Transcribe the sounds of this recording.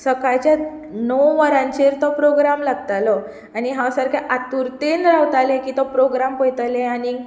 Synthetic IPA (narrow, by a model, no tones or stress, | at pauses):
səkajt͡ɕja | nɔwʋaɾãɲt͡ɕeɾt̪ɔpɾoɡɾamlaɡt̪alɔ | aniɦãwsaɾkʰaʔat̪uɾt̪enɾawt̪alekiːt̪ɔpɾoɡɾampɔjt̪alẽani